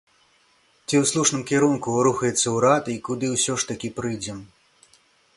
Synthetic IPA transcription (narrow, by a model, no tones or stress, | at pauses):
t͡sʲiwslˠuʂnɨmkʲɛɾunkuɾuxɐjɛt̪sːɐwɾat̪ikud̪ɨwsʲɔʂt̪ɐkʲipɾɨjd͡zʲɛm